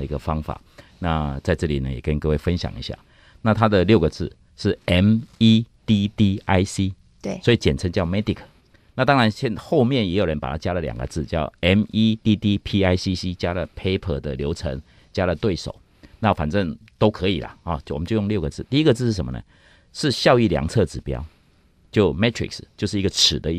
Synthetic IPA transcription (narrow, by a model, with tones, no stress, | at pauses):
ə˨i˧˥ɡə˨fɑ˦ŋfa̰˨˩na˥˧t͡sa˥˧ɪʈ͡ʂɤ˥˩li˨˩nə˦jɛ̰˨˩kə˦n˧kɤ˥˧we˥˩ɪfə˦nɕjɑ̰˨˩ŋḭ˧˦˥ɕja̰˥˩ | na˥˨t̪ʰa˦d̪ə˨ljo˥ʊɡə˨t͡sɹ̩˥˩ | ʂɻ̩˥˩ɛ˥mi˥t̪i˧t̪i˥˧a˥ɪsi˦˥˩ | swɔ˧˥i˨t͡ɕjɛ˨˩nt͡sʰə˧˥ŋt͡ɕjɑ˥˨ʊmɛ˥t̪i˨kʰə˨˩ | na˥˨˩t̪ɑ˥ŋɻa˧˦nɕjɛ˥˧nxo˥˧ʊmjɛ˥˨njɛ˧˦˥jo˨˩ʊɻə˦npa˨˩t̪ʰa˥t͡ɕja˦˥lə˨lja̰˨˩ŋɡə̰˨˦t͡sɹ̩˥˨t͡ɕjɑ˥˨˩ʊɛ˦˥mi˦t̪i˥t̪i˥˧pʰi˥a˥ɪsi˥si˦˥t͡ɕja˦˥lə˨pʰe˥ɪpʰə˥˩d̪ə̰˨ljo˧˥ʊt͡sʰə˧˥ŋ | t͡ɕja˦˥lə˨t̪we˥˩ɪʂo̰˨˩ʊ | na˥˨fa̰˨˩nʈ͡ʂə˥˨˩ŋt̪o˥ʊkʰɤ˧˦i˨˩la̰˨˦hɔ˥˩wɔ˨˩mə˦t͡ɕjo˥˧jʊ˥˧ljo˥˩ʊɡə˩t͡sɹ̩˥˨t̪i˥˧i˧˥ɡə˧t͡sɹ̩˥˧ʂɻ̩˥˩ʂə˧˩mə̰˧˦nə̰˧˦ | ʂɻ̩˥˧ɕjɑ˥˧ʊi˥˩lja̰˨˦ŋt͡sʰɤ˥˩ʈ͡ʂɻ̩˨˩pjɑ̰˥ʊ | t͡ɕjo˥˩ʊmɛ˥t̪ʰɹḭ˨kst͡ɕjo˥˧ʊʂɻ̩˥˩i˧˥ɡə˨ʈ͡ʂ̩ʰ˨˩d̪ə˦˥